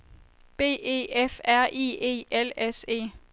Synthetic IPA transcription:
b̥e̝̰ːe̝̰ːefæɐ̰ʔḭːe̝̰ːelese̝̰ː

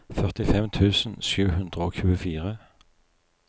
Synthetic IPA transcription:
fœʁt̪ɪfɛmt̪ʰʉːsn̩ʃʉːhʉnd̪ʁəoːçʉːəfiːʁə

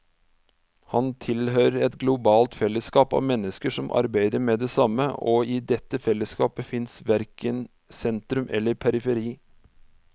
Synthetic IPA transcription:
hɑnt̪ʰɪlhøːɾəɾɛt̪ɡlʊbɑːlt̪fɛlːəskɑːpɑ̰ʋmɛnːəskəʂɔmʔɑ̰ɾbæɪd̪əɾmeːd̪ɛsɑmːəʔɔɪd̪ɛt̪ːəfɛlːəskɑːpəfɪnsʋæɾkən | sɛnt̪ɾʉmʔɛ̰lːəɾpʰæɾɪfəɾiː

